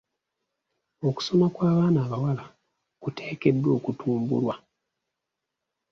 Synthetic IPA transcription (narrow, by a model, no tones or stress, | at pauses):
o̞ku̥so̞makwaːβaːnaːβawala | kutʰe̞ːke̞dːwo̞ːkutʰuːmbṵlwa